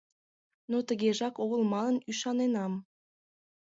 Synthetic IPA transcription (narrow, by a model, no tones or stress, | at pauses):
not̪ə̆ɣeʒɑkoɣə̆lˠmɑnə̆nyʃɑnenɑm